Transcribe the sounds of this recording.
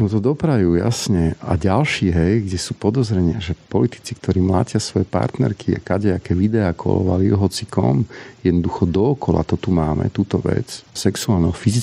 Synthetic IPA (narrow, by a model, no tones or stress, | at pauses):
ɔ̃mt̪̬ɔd̪ɔpɾajuja̰sɲɛa̰ɟalʃiːɦɛjɡɟɛsuːpɔd̪ɔzɾɛɲɪaʒɛpɔlit̪i̥t͡sik̚t̪ʰɔɾiːmla̰ːcɪasʋɔjɛpa̰ɾt̪nɛ̰ɾkʰia̰kaɟɛakɛʋid̪ɛaːkʰɔ̰lɔ̰ʋa̰liɔɦɔt͡sikɔ̰mjɛd̪nɔd̪uxɔd̪ɔːkɔla̰t̪ɔt̪umaːmɛ̰t̪uːt̪ɔʋɛ̰t͡ssɛksuaːlnɛɦɔfizi